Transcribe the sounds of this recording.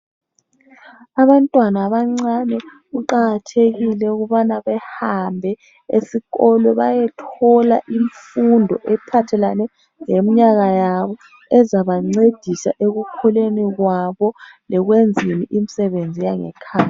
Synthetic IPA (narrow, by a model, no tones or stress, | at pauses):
aβantʼwanaβaŋ͡ǀanɛ | ɣuǃaɣatʰeɣilɛuɣuβanaβɛhambʱɛ | ḛsiɣɔlɔβajɛtʰɔla̰ʔiɱfundʱɔ̰ʔɛpʰatʰɛlanɛ | ŋemiɲaɣajaβɔ | ɛzaβaŋ͡ǀed̥ʱisa̰ʔeɣukʰɔleniɣwaβɔlɛɣwend͡zʱiniʔim̩sɛβend͡zʱijaŋɛ̰kʰaːja